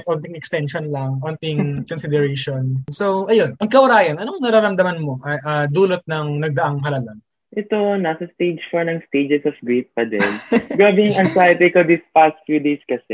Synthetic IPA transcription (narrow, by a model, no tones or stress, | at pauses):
t̪ʔont̪ɪŋɛkst̪ɛnʃonlɐŋʔont̪ɪŋkonsɪd̪ɛɾeʃonsowʔɐjonʔɐŋkɐwʊɾaːjɐnʔɐnoŋnɐɾaːɾɐmd̪ɐmɐnmo̞ʔɐʔɐd̪uːlot̪̚nɐŋnɐɡ̚d̪ɐʔɐŋɦɐlɐlɐn | ʔɛt̪onasɐst̪ejd͡ʒfonɐŋst̪ed͡ʒɛsɔfɡɹit̪̚pɐd̪ɛ̰lɡaːbɪŋɐnsajɐt̪ɪkod̪ispast̪̚fjud̪ejskɐsɛ